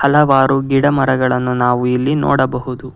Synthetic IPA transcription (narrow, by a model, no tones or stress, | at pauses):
hɐlɐʋaːɾuɡiɽɐmɐɾɐɡɐɭɐnːunaːʋuilːinɔ̰ːɽɐbɐɦud̪u